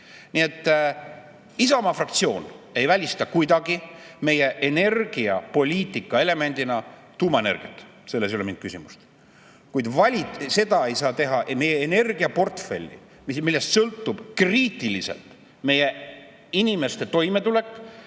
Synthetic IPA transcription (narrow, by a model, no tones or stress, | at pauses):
nie̞t̪ˑː | isɑmɑfrɑkt̪sio̞ːne̞jvælʲist̪ɑkujd̪ɑɡ̥ime̞je̞ʔene̞rɡ̥iɑ̰po̞lʲiːt̪ːˑikːˑɑe̞le̞me̞nd̪̥inɑ | t̪uːmɑene̞̰rɡ̥ijɑ̰t̪ːˑ | se̞lːes̬uleind̪̥̚kysimust̪ | kujd̪vɑlʲise̞d̪̥ɑe̞jsɑːt̪e̞ɦɑʔme̞jeːne̞rɡ̥iɑpo̞rt̪fe̞̰lʲːḭ | mimilːe̞st̪sɤlt̪ːˑub̥kriːt̪ːˑilisḛlt̪ | me̞je̞ | inime̞st̪e̞t̪o̞jme̞t̪ule̞kːˑ